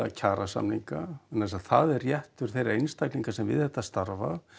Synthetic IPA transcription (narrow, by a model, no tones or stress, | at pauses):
acʰaːɾasa̰mniŋkaɛnːasaðθaðɛrːjɛht̪ʏɾ̥θejɾaejnst̪ajkliŋkasɛmvɪ̰ðθhɛht̪ːast̪aɾva̰